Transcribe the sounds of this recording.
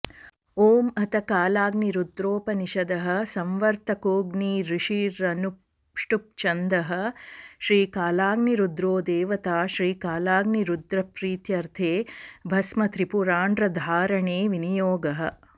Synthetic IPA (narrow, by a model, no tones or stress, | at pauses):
oːmɐt̪ɐkaːlaːɡniɾud̪ɾoːpɐniʃɐd̪ɐɦɐ̆sɐmʋɐɾt̪ɐkoːɡniːɾiʂiːɾɐnu | ʂʈup̚t͡ʃɐnd̪ɐɦɐ̆ʃɾiːkaːlaːɡniɾud̪ɾoːd̪eːʋɐt̪aːʃɾiːkaːlaːɡniɾud̪ɾɐpɾiːt̪jɐɾt̪ʰeːbʱɐsmɐt̪ɾipuɾaːɳɖɾɐd̪ʱaːɾɐɳeːʋinijoːɡɐɦɐ̆